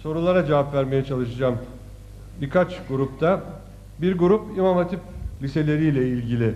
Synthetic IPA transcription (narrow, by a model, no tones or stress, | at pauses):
so̞ɾulˠaɾad͡ʒavapvæɾme̞jɛt͡ʃʰalˠɯʃɯd͡ʒaːm | biɾkat͡ʃɡuɾup̚t̪ʰa | biɾɡuɾupimanat̪ʰiplʲise̞lʲe̞ɾijlʲɛilʲɟilʲɪ